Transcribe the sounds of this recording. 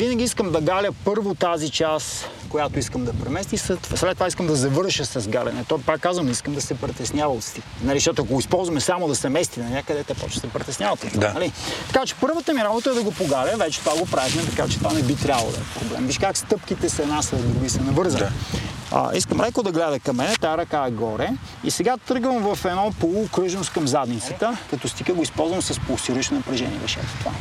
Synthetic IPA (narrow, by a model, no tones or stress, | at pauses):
vinɐɡʲiiskəmd̪ɐɡalʲəpɤɾvot̪azit͡ʃaskojat̪oiskəmd̪ɐpɾɛmɛst̪isɛt̪slɛt̪ːovaiskəmd̪ɐzɐvɤɾʃəsɐzɡalʲɛ̰nɛt̪ɔipakːazvəmiskəmd̪ɐsɛpɾɛt̪ɛsnjavəot̪st̪inɐliʃt̪ɔt̪oɐkoɡoispɔlˠzvɐmɛsamod̪ɐsɛmɛst̪inɐnʲakəd̪ɛt̪ɛpɔ̰t͡ʃnɛ̥sɛpɾɛt̪ɛsnʲavɐt̪ot̪nɐlit̪ɐ̥kat͡ʃɛ̥pɤɾvət̪əmiɾabot̪əɛd̪ɐɡopoɡaɾʲəvɛt͡ʃɛ̥t̪ovaɡopɾavixnɛt̪ɐkat͡ʃɛt̪ovanɛbit̪ɾʲjabəlˠo̰d̪ɐ̰ɛpɾoblɛ̰mviʃkakst̪ɤpkit̪ɛsɛnasɐd̪ɾuɡisɛnɐvɤɾzən | ə̰ʔiskəmɾɛkod̪ɐɡlɛd̪əkɐmːɛnɛt̪aɾɐkaɛɡɔɾɛ | ḭsɛɡat̪ɤɾɡvəmvɐfɛnɔpolˠukɾɤʒnost̪kɐmzad̪nit̪sə̥t̪əkɐt̪ɔst̪ikəɡoispɔlˠzvəmsɐspolˠst̪iɾuit͡ʃnonɐpɾɛʒɛ̰niɛ̰vɛʃɛ̰t̪t̪ova̰